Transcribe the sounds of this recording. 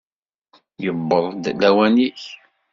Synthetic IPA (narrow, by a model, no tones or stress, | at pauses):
jəbːəðˤd̪læwæniç